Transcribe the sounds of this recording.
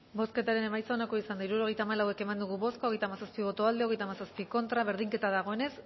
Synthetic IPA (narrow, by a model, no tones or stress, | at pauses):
bo̞ske̞t̪aɾe̞ne̞majt͡sanako̞isand̪aiɾuɾo̞ɣe̞jt̪aːmalawe̞ke̞mand̪uɣ̞uβo̞sko̞ɣ̞e̞jt̪amasaspiβ̞o̞t̪o̞ald̪e̞oɣe̞jt̪amasaspiko̞nt̪ɾaβe̞ɾðiŋke̞t̪aðaɣ̞o̞e̞ne̞s